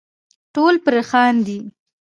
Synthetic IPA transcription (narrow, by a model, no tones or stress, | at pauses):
ʈolpɾexɑnd̪i